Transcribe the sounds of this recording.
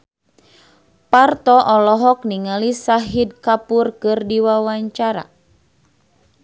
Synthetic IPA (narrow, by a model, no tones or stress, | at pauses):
part̪ɔʔɔlɔɦɔk̚niŋalisaɦid̚kapurkɨrdiwawaɲt͡ʃaɾa̰